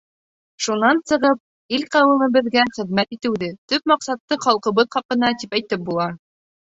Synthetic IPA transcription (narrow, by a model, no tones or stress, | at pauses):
ʃunɑnsɤ̆ʁɤp̚ | ilqæwɘ̆mɘ̆bɘ̆ðɡæχɘ̆ðmæt̪it̪ɘ̆wðɘt̪ɵp̚mɑqsɑt̪ːɤχɑlˠqɤ̆βɤðχɑqɤ̆nɑt̪ipæjt̪ɘp̚bulˠɑ